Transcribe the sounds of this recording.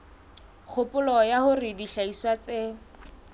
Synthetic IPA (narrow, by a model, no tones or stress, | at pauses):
k͡xʰʊpʼʊlɔjahʊrɪdiɬaiswat͡se